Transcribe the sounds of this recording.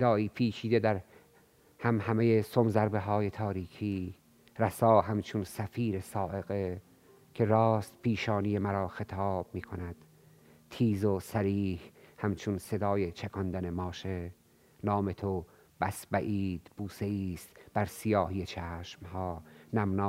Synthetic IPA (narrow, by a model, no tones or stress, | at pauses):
sed̪ɒːiːpʰiːt͡ʃʰiːd̪ed̪æɾ | hæmhæme̞jesomzæɾbe̞ɦɒːje̞t̪ʰɒːɾiːkʰiː | ræsɒːɦæmt͡ʃʰonsæfiːɾesɒːʔe̞ɣe | kʰe̞ɾɒːst̪̚pʰiːʃɒːnije̞mæɾɒːxe̞t̪ʰɒːb̥̚miːkʰo̞næd̪̥ | t̪ʰiːzosæɾiːhhæmt͡ʃʰonse̞d̪ɒːje̞t͡ʃʰækʰɒnd̪ænemɒːʃe | nɒːme̞t̪ʰo | b̥æsbæʔiːd̪̥b̥uːse̞iːst̪b̥æɾsijɒːhijet͡ʃʰæːʃmhɒːnæmnɑː